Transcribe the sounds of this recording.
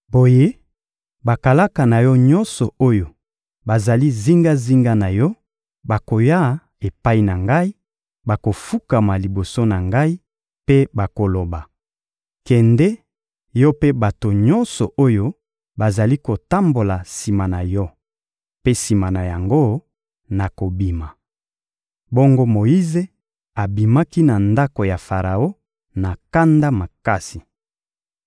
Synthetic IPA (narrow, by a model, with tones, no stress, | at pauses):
bo˨je˦ | ba˨ka˨la˦ka˨na˨jɔ˦ɲɔ˦nsɔ˨o˦jo˨ | ba˨za˨li˦zi˦ŋɡa˦zi˦ŋɡa˦na˨jɔ˦ | ba˨ko˨ja˦˨ | e˨pa˦i˨na˨ŋɡa˦i˦ | ba˨ko˨fu˦ka˨ma˨li˨bo˨so˦na˨ŋɡa˦i˦ | pe˦ba˨ko˨lo˨ba˨ | kɛ˨ndɛ˦ | jɔ˦pe˦ba˨to˨ɲɔ˦nsɔ˨ʔo˦jo˦ | ba˨za˨li˦ko˨ta˦mbo˨la˨si˨ma˨na˨jɔ˦ | pe˦si˨ma˨na˨ja˨ŋɡo˦ | na˨ko˨bi˨ma˨ | bɔ˦ŋɡo˦mo˨ji˦ze˦ | a˨bi˨ma˦ki˦na˨nda˦ko˨ja˨fa˨ʁa˨o˦ | na˨ka˦nda˦ma˨ka˦si˨